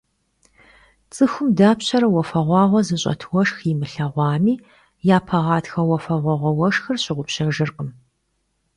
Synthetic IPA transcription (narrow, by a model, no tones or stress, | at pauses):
t͡sʼɨxʷʊmdaːpɕɐɾɐwɐfɐʁʷɑːʁʷɔzɨɕʼɐ̰tʰwɔʂximɨɬɐʁʷɑːmiː | jaːpʰɐʁɑːtxɐwɐfɐʁʷɔʁʷɔwɐʂxɐrɕɪʁʷʊpɕɐʒɨrqʼəm